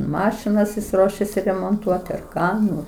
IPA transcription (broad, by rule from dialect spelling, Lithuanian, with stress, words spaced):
ˈmɑːʃʲɪnɐs jɪs ˈruɔʃʲɛsʲɪ rʲɛmoːnˈtuɔtʲɪ ɐr ˈkɑː ˈnʊ